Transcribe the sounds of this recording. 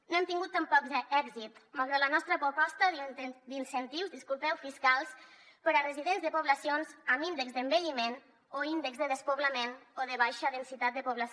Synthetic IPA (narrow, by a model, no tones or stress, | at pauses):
noɛmt̪iŋɡut̪ːampɔkzɛɡzit̪malɣɾalanɔst̪ɾəpɾupɔst̪əðəd̪insənt̪iwzðiskulˠpɛwfiskalˠs | pəɾərəziðenzðəpuβlasionzəmind̪əkzd̪əmbəʎimen | oind̪əkzðəðəspoβləmenoðəβajʃəðənsit̪at̪̚d̪əpuβlas